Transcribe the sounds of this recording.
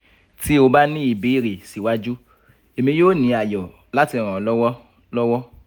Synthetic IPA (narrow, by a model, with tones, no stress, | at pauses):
ti˦o˧ba˦nĩ˦i˨be˨˦i˦˨ɾe˨si˨wa˦d͡ʒu˦ | e˨mĩ˧joː˦˨nĩ˨˧˦a˨jɔ˨ | la˦ti˧˨ɾ̃ã˨lɔ˦wɔ˦ | lɔ˦wɔ˦